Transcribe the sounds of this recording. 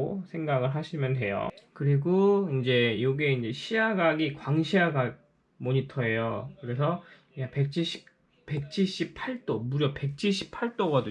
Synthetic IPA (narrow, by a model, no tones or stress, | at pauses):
osʰe̞ŋɡaɡɯɭɦaɕʰimjʌnɦe̞jo̰kɯɾiɡoind͡ʑe̞joɡeind͡ʑe̞ɕʰiaɡaɡikwaŋɕʰiaɡaɡ̚ | moɲitʰʌe̞jokɯɾe̞sʰʌ | jape̞k̚t͡ɕ͈ʰiɕ͈ʰi̥ | pe̞k̚t͡ɕʰiɭɕ͈ipʰaɭt͈omuɾjʌpe̞k̚t͡ɕ͈ʰiɭɕ͈ʰi̥pʰaɭt͈oɡʌdu